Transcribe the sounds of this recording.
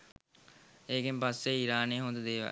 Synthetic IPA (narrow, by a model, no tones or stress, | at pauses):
eːɡempasːeiɾaːneːɦond̪əd̪eːʋa̰ː